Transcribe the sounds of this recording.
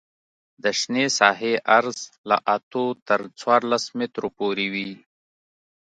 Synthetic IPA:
d̪əʃnesaːɦeʔɐɾzla̰ʔat̪ot̪əɾt͡swaːɾlasmit̪ɾopoːɾiwi

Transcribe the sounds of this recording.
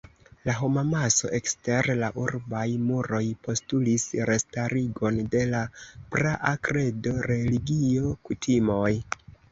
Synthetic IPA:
laɦo̞mamaso̞̰ʔe̞kste̞ɾlaʔuɾbajmuɾo̞jpo̞stulisɾe̞staɾiɡo̞nde̞lapɾaʔakɾe̞do̞ɾe̞liɡio̞kutʰimo̞j

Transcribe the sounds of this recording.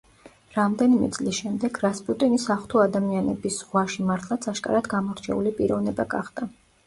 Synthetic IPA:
ɾamd̪ɛnimɛ̰t̪sʼlisʃɛmd̪ɛɡɾaspʼut̪ʼinisaχt̪ʰuad̪amianɛbisʁwaʃimaɾt̪ʰlˠat̪sʰaʃkʼa̰ɾad̪ɡamɔɾt͡ʃʰɛ̰ulipʼiɾɔvnɛbaɡaχd̪a

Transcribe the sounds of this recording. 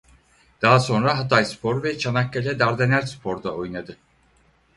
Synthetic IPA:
d̪̥aɦaso̞nɾaɦat̪ʰajspʰo̞ɾvɛt͡ʃʰanakːalʲɛd̪aɾd̪enæɾspʰo̞ɾd̪aojnad̪ɯ

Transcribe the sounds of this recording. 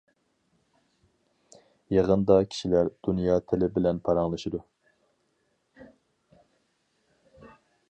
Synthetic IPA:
jeʁənd̪ɑkʲʰi̥ʃilæɾd̪̥unjɑːt̪ʰelɪbɪlɛnpʰɑɾɑŋlˠɨʃid̪u

